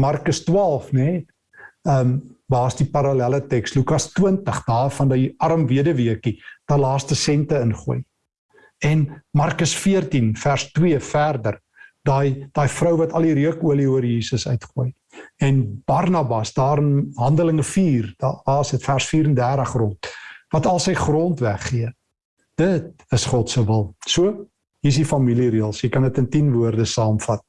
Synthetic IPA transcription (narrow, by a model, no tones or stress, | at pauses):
mɐrkəstwɑːlˠfnɛ | əmbɑːsdipɐɾɐlælətɛkslukɐstwiəntəχdɑːfɐndɐjɐɾəmviədəviəkid̥ɑːlɑːstəsɛntəənχuəj | ɛnmɐrkəsfiərtinfærstwiəfærdər | dɑjd̥ɑːjfrœwvɐtɐliɾiəkuəliuərjiːsəsœ̰ɥtχuəj | ɛnb̥ɐrnɐbɐsdɑːɾənɦɐndələŋəfiːrdɑːsətfærsfiːɾəndærtəχrɔntvɐtɐlˠsəjχrɔntvæχːiə | d̥ət̚ | əsχɔtsəvəlˠsuə | ɦis̬difɐmiliriəlˠsjəjkɐndətəntinvuərdəsɑːmfɐt̚